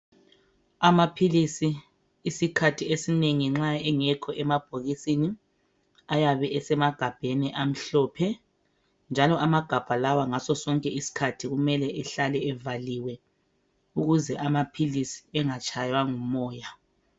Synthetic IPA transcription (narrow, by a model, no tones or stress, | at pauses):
amapʰilisiː | sikʰatʰiesineŋiŋ͡ǁaɛŋɛkʰɔʔɛmab̥ʱoɣisini | ajaβɛʔɛsɛmaɡ̥ʱab̥ʱeniʔam̩ɬɔːpʰɛ | nd͡ʒʱalɔʔamaɡ̥ʱab̥ʱalawaŋasɔsɔŋkʼɛisi̥kʰatʰiɣumɛlɛʔɛɬalɛɛvaliwɛ | uɣuzɛʔamapʰilisi̥ɛŋat͡ʃʰʼajwaŋumɔːja